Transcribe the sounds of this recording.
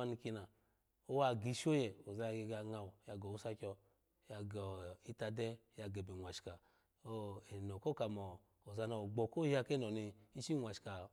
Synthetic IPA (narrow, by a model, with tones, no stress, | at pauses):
a˧ni˧ki˧na˨ | o˦wa˧˨ɡi˨˧˦ʃo˦jɛ˨o˨za˧ja˧ɡe˧ɡa˧ŋa˧˨wja˧ɡɔ˨wu˦sa˧kʲɔ˧ | ja˧ɡɔ˨i˦ta˧dɛ˦ja˧ɡɛ˨be˨ŋʷ˨a˨ʃka˨ | o˦e˨nɔ˨ko˦ka˨mɔ˨ | o˨za˧na˧˨o˨ɡ͡bɔ˨ko˦ja˧ke˦nɔ˨ni˧i˦ʃi˦ŋʷ˨a˨ʃka˨